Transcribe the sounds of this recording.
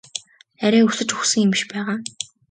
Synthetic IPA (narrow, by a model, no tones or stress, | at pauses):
æɾʲæːŋusɘ̆t͡ɕuxsɘ̆ŋem̆ʃpæːʁaː